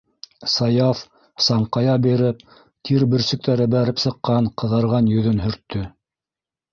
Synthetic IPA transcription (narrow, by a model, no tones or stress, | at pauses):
sɑjɑf | sɑɴqɑjɑbiɾɘp̚ | t̪ʰiɾbɘ̆ɾsɵ̆k̚t̪æɾɘbæɾɘpsɤ̆qːɑɴqɤ̆ðɤ̆ɾʁɑnjɵ̆ðɵnɦɵ̆ɾt̪ʰːɵ